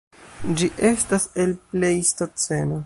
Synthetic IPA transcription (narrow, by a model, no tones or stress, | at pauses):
d͡ʒiʔe̞stase̞lple̞jstot͡se̞no